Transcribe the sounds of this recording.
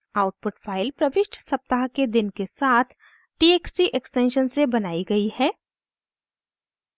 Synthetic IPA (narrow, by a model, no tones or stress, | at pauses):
aːʊʈ̚pʊʈfʰaːɪlpɾɐʋɪʃʈsɐp̚t̪aɦked̪ɪnkesaːt̪ʰ | ʈieːksiʔeksʈẽːnʃənsebɐnaːiɡɐihɛː